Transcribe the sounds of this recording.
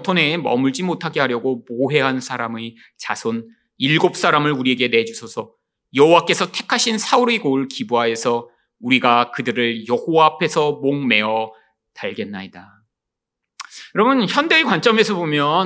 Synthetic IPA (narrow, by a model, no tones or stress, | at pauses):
tʰone̞mʌ̰muɭd͡ʑimotʰaɡe̞ɦaɾjʌɡomoɦe̞ɦansʰaɾamɯ | t͡ɕasʰon | iɭɡop̚s͈aɾamɯɭuɾie̞ɡe̞ne̞d͡ʑusʰʌsʰʌ | jʌɦowak͈e̞sʰʌtʰe̞kʰaɕʰinsʰauɾiɡoɭkibuɦae̞sʰʌ | uɾiɡakɯdɯɾɯɭjʌhoaːpʰe̞sʰʌmoŋme̞ʌ | taɭɡenːaida | jɯɾʌmɯnçjʌnde̞ːkwant͡ɕ͈ʌme̞sʰʌbomjʌ